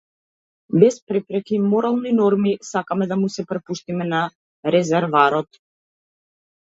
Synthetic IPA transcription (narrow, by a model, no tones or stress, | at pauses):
bɛspɾɛpɾɛkimɔɾalˠninɔɾmisakamɛd̪amusɛpɾɛpuʃt̪imɛna | ɾɛzɛɾvaɾɔt̪